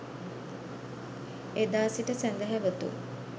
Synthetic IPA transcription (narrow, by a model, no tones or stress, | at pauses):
ed̪aːsiʈəsænd̪əɦæʋət̪ṵ